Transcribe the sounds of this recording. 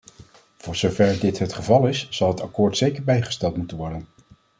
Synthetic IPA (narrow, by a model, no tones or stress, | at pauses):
v̥ʊːɹzowvɛɹdɪtɦətχəvɑlˠɪsz̥ɑlˠɦətakʊːɹtsejkəɹbɛjχə̥stɛlˠtmutənʋɔɹdən